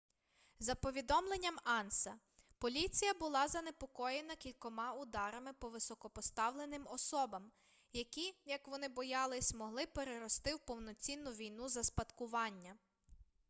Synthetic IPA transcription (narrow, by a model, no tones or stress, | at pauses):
zɐpɔʋʲid̪ɔmlˠenʲːɐmɑnsɐ | pɔlʲit͡sʲijɐbʊlˠɑzɐne̞pɔkɔjenɐkʲilʲkɔmɑʊd̪ɑɾɐmɪpɔʋɪsɔkɔpɔst̪ɑwlˠe̞nɪmɔsɔbɐm | jɐkʲijɐkʋɔnɪbɔjɑlˠɪsʲmɔɦlˠɪpeɾeɾɔst̪ɪwpɔwnɔt͡sʲinːʊʋʲijnuzɐspɐt̪kʊʋɑnʲːɐ